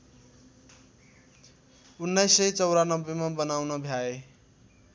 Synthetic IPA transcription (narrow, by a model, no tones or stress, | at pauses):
unːajsːʌjt͡sʌwɾanʌbːemabʌnawnʌbʱjae